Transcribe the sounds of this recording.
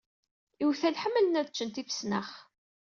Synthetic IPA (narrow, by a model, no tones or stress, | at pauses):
iwθælħəmːələnæðt͡ʃːənt̪ifə̥snə̰χ